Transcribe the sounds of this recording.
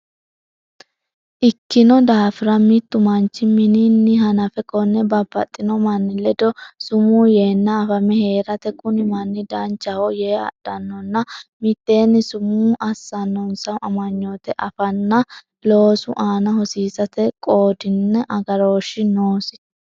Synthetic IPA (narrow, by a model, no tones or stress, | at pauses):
ʔɪkːɪnɔd̪aːfɪɾɐmɪt̪ːʊmɐnt͡ʃːɪmɪninːɪɦɐnɐfɛkɔnːɛbɐbːɐt̪ʼːɪnɔmɐnːɪlːɛd̪ɔsʊmuːje̞ːnːɐːfɐmɛhe̞ːɾɐt̪ɛkʼʊnɪmɐnːɪd̪ɐnt͡ʃːɐhɔjeːɐ̰ɗ̥ːɐnːɔnːɐmɪt̪ːe̞ːnːɪsʊmuːʔɐsːɐnːɔnsɐmɐmɐɲːoːt̪ɛʔɐfɐnːɐ | lo̞ːsʊ̰ʔaːnɐhɔsiːsɐt̪ɛkʼo̞ːd̪ɪnːɛʔɐɡɐɾo̞ːʃɪnoːsɪ